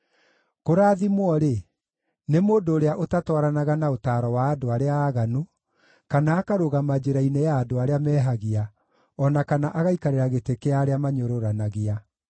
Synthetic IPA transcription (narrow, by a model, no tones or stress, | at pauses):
koɾaːðimwɔɾe | nemoːdoːɾeaʔotatwaɾanaɣanaotaːɾɔwaːdoaɾeaːɣanu | kanaːkaɾoɣamad͡ʒeɾainejaːdoaɾeamɛːɦaɣia | ɔnakanaʔaɣaikaɾeɾaɣetekeaɾeamaɲoɾoɾanaɣia